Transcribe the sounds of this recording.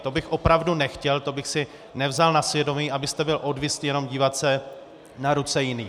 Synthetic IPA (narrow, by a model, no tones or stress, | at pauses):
t̪o̞bɪxʔo̞pɾavdunɛxcɛlt̪o̞bɪxsɪ | nɛvzalnasvjɛdo̞miːʔabɪst̪ɛbɪlʔo̞dvist̪jɛno̞mɟiːvat̪sɛ | naɾut͡sɛjɪniː